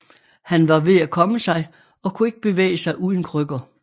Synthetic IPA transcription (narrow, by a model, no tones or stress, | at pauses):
hænʋɑ̈ʋe̝ækʰɒ̽məsɑ̈ɪ | ɒ̽kʰue̝ɡ̥əb̥e̝ʋḛːɪəsɑ̈ɪʔuð̞ˠn̩kʰʁœɡ̥ɐ